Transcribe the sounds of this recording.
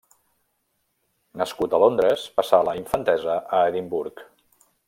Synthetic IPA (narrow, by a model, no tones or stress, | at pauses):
nəskut̪əlond̪ɾəspəsaləiɱfənt̪ɛzəʔəeðimbuɾk